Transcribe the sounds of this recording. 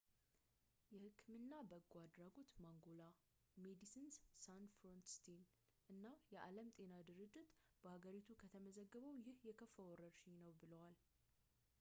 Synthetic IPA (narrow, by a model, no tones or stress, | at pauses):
jɛhɨkʰːɨmɨnːabəɡʷad̪ɾaɡo̞t̪maŋɡo̞la | med̪isɨnssanfɾont̪st̪ʰen | ʔɨnːajɛʔa̰ləmt̪ʼe̞nad̪ɨɾɨd͡ʒːɪt̪b̥əhaɡəɾit̪ʰukʰət̪ʰəməzəɡːəβəwjɪhjɛkʰəfːəwɔɾəɾʃinəwbɨləwal